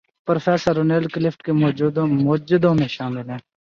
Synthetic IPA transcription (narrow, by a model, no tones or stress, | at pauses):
pɾofeːsəɾːoːneːlklɪfʈkemoːd͡ʒud̪mʊːd͡ʒɪd̪õːmẽʃaːmɪlɦɛ̃ː